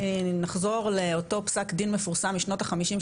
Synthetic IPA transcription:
naχzo̞ʁleoto̞psakdinmefuʁsamːiʃno̞taχamiʃim

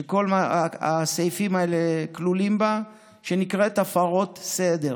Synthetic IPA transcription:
eko̞lmaa̰sejfimaeleklulimba | ʃenikʁet̪afaʁo̞tsed̪e̞ʁ

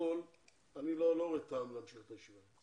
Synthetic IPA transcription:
ol | aniloloʁet̪amleamʃiχe̥t̪aʃia

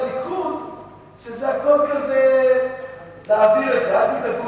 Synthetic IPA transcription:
likud | ʃezeako̞lkaze | laaviʁezead̪idaku

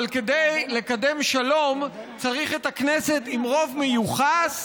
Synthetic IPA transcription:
lkede̞jle̞kade̞mʃalo̞mt͡saʁiχe̞taknese̞timʁo̞vmejuχas

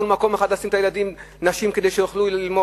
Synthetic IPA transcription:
ulmako̞meχad̪lasimt̪ajelad̪im | naʃimke̞d̪ejʃejoχluilmo

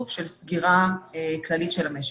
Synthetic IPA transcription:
fʃe̞lsɡiʁaklalit̪ʃelameʃ

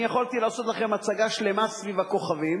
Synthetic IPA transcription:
jaχolt̪ilaːso̞t̪laχemat͡saɡaʃle̞masvivako̞χavim

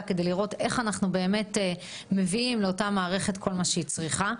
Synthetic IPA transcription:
ke̞d̪ejliʁo̞te̞χanaχnube̞ːme̞te | me̞viimleotamaːʁe̞χe̞tkʰo̞lmaʃeit͡sʁiχa

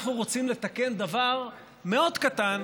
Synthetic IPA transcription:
χnuʁo̞t͡simle̞t̪ake̞nd̪avaʁ | me̞o̞d̪kat̪an

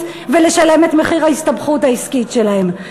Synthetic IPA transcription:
ve̞le̞ʃale̞me̞tme̞χiʁaistabχutaiskitʃe̞lahem

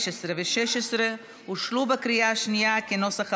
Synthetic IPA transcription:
ʃesɾeveʃeʃesɾe | huʃlubakɾijaaʃnijakenosaχ

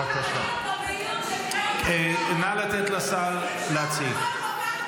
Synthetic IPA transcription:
akaʃa̰n | enalat̪et̪lasal | leat͡sil

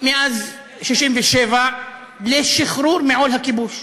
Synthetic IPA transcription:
meʔaz | ʃiʃimveʃeva | leʃiχɾuɾmeʕolhakibuʃ

